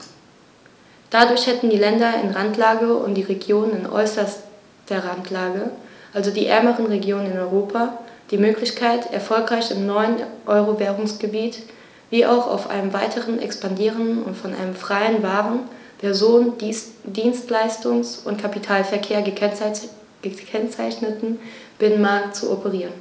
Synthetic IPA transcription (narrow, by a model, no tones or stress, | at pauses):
d̥adʊɐçhɛtn̩diːlɛndɐɪ̰nʁantʰlaːɡəʊ̰ntd̥iːʁeɡjoːnənɪnʔɔ̰ʏsɐs | tɐʁantʰlaːɡəʔalzodiːʔɛ̰ɐməʁənʁeɡjoːnənɪnɔʏʁoːpʰad̥iːmøːklɪçkʰaɪtɛ̰ɐfɔlkʁ̥aɪçɪmnɔʏənʔɔʏʁovɛːʁʊŋsɡ̥əbiːt | v̥iːʔa̰ʊxa̰ʊfʔa̰ɪnəmva̰ɪtʰəʁənʔɛ̰kspandiːʁənddn̩ʊ̰ntfɔnʔa̰ɪnəmfʁ̥aɪənvaːʁən | pʰɛɐzoːndiːnstlaɪstʊŋsʊntkʰapitʰaːlfɛɐkʰeːɐə | ɡ̥əkʰɛnt͡saɪçnətn̩b̥ɪnənmaɐk̚tt͡suʔopʰəʁiːʁən